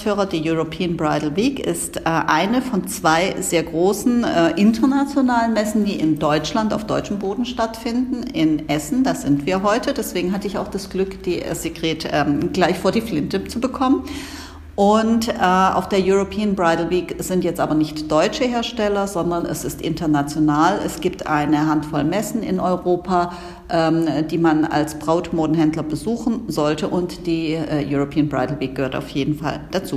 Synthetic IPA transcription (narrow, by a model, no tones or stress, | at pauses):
føːʁɐdeːɐjuʁopʰiːənbʁaɪdl̩viːkɪ̰stʔɛːʔaɪnəfɔnt͡sv̥aɪzeːɐɡʁoːsn̩ɛːʔɪntʰɐnat͡sjonaːlənmɛsn̩diːʔɪndɔʏt͡ʃlanta̰ʊfd̥ɔʏt͡ʃəm̩boːdn̩ʃtatfɪndn̩ɪnʔɛsn̩d̥aːz̥ɪntv̥iːɐɦɔʏtʰədɛsv̥eːɡŋ̩ɦatəɪça̰ʊxd̥asɡ̥lʏkd̥ḭːz̥eɡʁ̥eːtʔɛːɡ̥laɪçfoːɐdiːflɪntət͡subəkʰɔmən | ʔʊntʔɛʔa̰ʊfd̥eːɐjuʁopʰiːənbʁaɪdl̩viːkz̥ɪntjɛt͡stʔaːbɐnɪçtd̥ɔʏt͡ʃəheːɐʃtɛlɐzɔndɐnɛ̰sɪstʔɪ̰ntɐnat͡sjonaːlɛ̰sɡ̥iːp̚tʰʔa̰ɪnəɦantfɔlmɛsn̩ɪ̰nʔɔʏʁoːpʰa | ʔɛːmd̥iːmana̰lsb̥ʁ̥aʊtmoːdn̩ɦɛndlɐbəzuːxn̩zɔltəʔʊntd̥iːɛjuʁopʰiːənbʁaɪtl̩viːk̚ɡəhøːɐta̰ʊfjeːdn̩fa̰ld̥at͡suː